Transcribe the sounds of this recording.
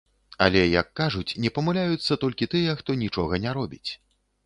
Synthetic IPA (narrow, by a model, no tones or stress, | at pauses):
ɐ̰lʲɛjɐ̰kːaʐut͡sʲnʲɛpɐmulʲajut̪sːɐt̪ɔlʲkʲit̪ɨjɛxt̪ɔnʲit͡ʂɔɣɐnʲaɾɔbʲit͡sʲ